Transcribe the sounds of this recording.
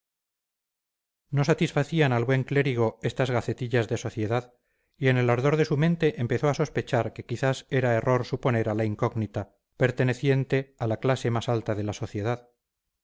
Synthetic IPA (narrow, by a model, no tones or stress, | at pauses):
no̞sat̪isfaθianalβwe̞ŋkle̞ɾiɣ̞o̞e̞st̪azɣaθe̞t̪iʎazðe̞so̞θje̞ðað | ie̞ne̞laɾðo̞ɾðe̞sumẽ̞nt̪e̞ʔempeθo̞aso̞spe̞t͡ʃaɾke̞kiθase̞ɾae̞rʔo̞ɾsupo̞ne̞ɾalaiŋko̞ɣnit̪a | pe̞ɾt̪e̞ne̞θje̞nt̪e̞alaklase̞masalt̪aðe̞laso̞θje̞ðað